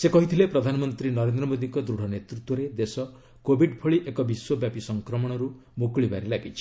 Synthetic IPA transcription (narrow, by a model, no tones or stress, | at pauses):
sekɔɦit̪ʰilepɾɔd̪ʱanɔmɔnt̪ɾinɔɾend̪ɾɔmod̪iŋkɔd̪ɾuɽ̤ʱɔnet̪ɾut̪wɔɾed̪esɔ | kobʱiɖpʰɔɭiʔekɔbiswobjapisɔŋkɾɔmɔɽ̃ɔɾu | mukɭibaɾilaɡit͡ʃʰi̥